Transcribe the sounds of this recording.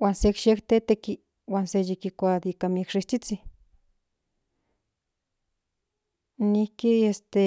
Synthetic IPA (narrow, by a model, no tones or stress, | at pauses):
wʷansekʃekt̪et̪eki | wʷansejikikʷad̪ikamekʂiht͡ʃit͡si | nihkiest̪e